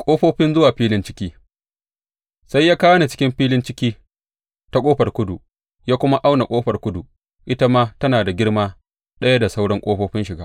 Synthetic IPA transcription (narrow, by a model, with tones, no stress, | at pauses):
kʷʼoː˦ɸoː˦ɸɪ˦nzʊ˦waː˨ɸiː˦lɪ˦nt͡ʃɪ˦kʲiː˦ | sa˦jːaː˦kaː˦wɐ˦na˨t͡ʃɪ̥˦kʲɪ˦mɸiː˦lɪ˦nt͡ʃɪ˦kʲiː˦ | ta˦kʼoː˦ɸɐ˨rkʷʊ˦du˨ | jaː˦kʷʊ˦ma˦ʔa˦wna˨kʷʼoː˦ɸɐ˨rkʷʊ˦du˨ | ʔɪ˦ta˦maː˦tɐ˦naː˨da˨ɡʲɪ˦ɽmaː˦ | ɗɐ˦ja˦da˨sa˦wɽɐ˦ŋkʷʼoː˦ɸoː˦ɸɪ˦nʃɪ˨ɡaː˦